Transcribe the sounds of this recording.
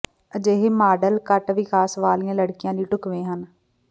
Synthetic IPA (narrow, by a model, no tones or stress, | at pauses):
əd͡ʒeːɦeːmaːɖəlkəʈʋɪkʰaːsʋaːlijãːləɽkɪjãːliːʈʊkʋẽːɦən